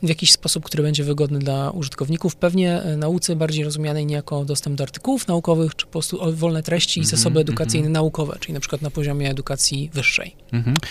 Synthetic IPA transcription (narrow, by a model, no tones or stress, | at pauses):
vʲjakʲiɕspɔsup̚kt̪uɾɘbɛɲd͡ʑɛvɘɡɔd̪nɘd̪lauʐɨt̪kɔvɲikufpɛvɲɛnaut̪sɛbaɾd͡ʑejɾɔzumjanɛjɲɛjakɔd̪ɔst̪ɛmbd̪ɔaɾt̪ɘ̥kuwufnaukɔvɘxt͡ʂɘ̥pɔpɾɔst̪uʔɔvɔlnɛt̪ɾɛɕt͡ɕiːzasɔbɘɛd̪ukat̪sɘjnɛnaukɔvɛ̰t͡ʂɘlʲinapʂɘkwat̪napɔʑɔmʲjɛːd̪ukat̪sʲjivɘʂːɛ̰j